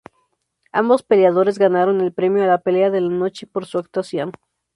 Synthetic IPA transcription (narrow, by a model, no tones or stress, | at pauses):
ambo̞spe̞ljaðo̞ɾe̞zɣanaɾo̞ne̞lpɾe̞mjo̞alape̞leaðe̞lano̞t͡ʃe̞po̞ɾsuak̚t̪wasjo̞n